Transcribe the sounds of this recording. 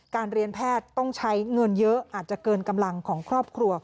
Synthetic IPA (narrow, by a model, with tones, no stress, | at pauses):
kaː˧nɾi˧ənpʰɛː˥˩t̪ːɔ˥˩ŋt͡ɕʰa˦˥jŋɤ˧njɤ˦˥ʔʔaː˨˩t̪̚t͡ɕa˨˩kɤː˧nka˧mla˧ŋkʰɔː˩˦ŋkʰɾɔː˥˩p̚kʰɾu˧ɐ